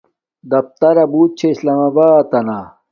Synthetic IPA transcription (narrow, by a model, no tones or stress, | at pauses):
d̪ɐf̚t̪ɐɾɐbuːt̪̚t͡ɕʰeislaːmɐbaːt̪ɐna